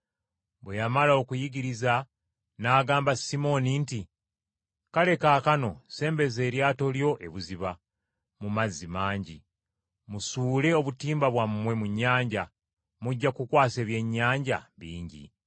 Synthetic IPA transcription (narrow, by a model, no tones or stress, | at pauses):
βwe̞jamalaokujiɡiɾiza | naːɡaːmbasimo̞ninti | kale̞kaːkano̞se̞ːmbe̞ze̞ːɾjaːto̞ljo̞ʔe̞βuziβa | mumazːimaːɲɟi | musuːle̞o̞βutiːmbaβwamːwe̞muɲːaːɲɟa | muɟːakukwaːse̞ːβje̞ɲːaːɲɟa̰βḭːɲɟḭ